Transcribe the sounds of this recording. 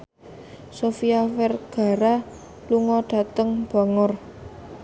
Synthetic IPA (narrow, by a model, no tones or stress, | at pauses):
sofiafɛrɡ̥a̤ɾa | luŋɔɖ̥a̤t̪əŋb̥a̤ŋɔr